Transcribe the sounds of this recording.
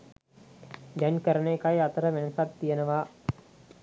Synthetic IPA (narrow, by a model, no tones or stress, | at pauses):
d̪aɲkəɾənekajat̪əɾəʋenəsat̪ːijənəʋaː